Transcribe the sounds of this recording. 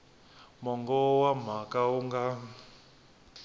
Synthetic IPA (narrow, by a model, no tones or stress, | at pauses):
mɔŋɡɔwam̤akauŋɡa